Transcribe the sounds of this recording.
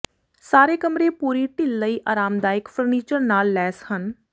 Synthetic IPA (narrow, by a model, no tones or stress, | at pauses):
saːɾeːkəmɾeːpuːɾiːʈɪlːəiːʔaːɾaːmd̪aːɪkfʰəɾniːt͡ʃəɾnaːlːɛːshən